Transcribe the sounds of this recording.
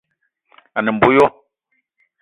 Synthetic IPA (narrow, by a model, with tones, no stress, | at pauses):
a˨nɛ˨m̩˨bo˦jɔ˦